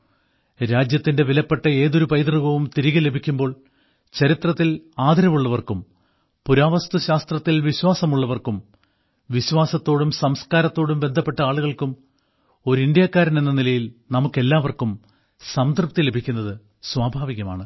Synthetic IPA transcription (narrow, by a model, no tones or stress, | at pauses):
ɾaːd͡ʑjɐt̪ːinde̞ʋilɐpːe̞ʈːɐe̞ːðoɾupɐjd̪rɐɣɐʋumt̪iɾiɣɐle̞bʱikʲːumbo̞ːɭ | t͡ɕɐɾit̪rɐt̪ːilaːd̪ʱɐɾɐmuɭːɐʋɐrkum | puɾaːʋɐst̪uɕaːst̪rɐt̪ːilʋiɕwaːsɐmuɭːɐʋɐrkum | ʋiɕwaːsɐt̪ːo̞ːɽumsɐmskaːɾɐt̪ːo̞ːɽumbe̞nd̪ʱɐpːe̞ʈːɐaːɭuɣɐɭkum | o̞ɾuind̪jaːkːaːɾinenːɐnilɐjilnɐmukːe̞lːaːʋɐrkum | sɐmd̪ʱɐrp̚t̪ːile̞bʱikʲːunːɐðɨ | swaːbʱaːʋiɣɐma̰ːɳɨ